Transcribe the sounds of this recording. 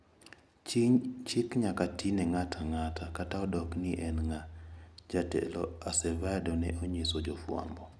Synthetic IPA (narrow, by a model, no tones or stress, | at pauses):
t͡ʃɪkɲakatʰinɛŋatʰaŋatʰakataɔdɔkniʔɛnŋad͡ʒatɛ̰lɔ̰asɛvadɔnɛ̰ʔoɲesɔd͡ʒɔfwa̰mbɔ